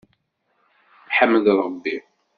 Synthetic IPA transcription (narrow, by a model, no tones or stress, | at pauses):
ħəmːðɾˤəbːi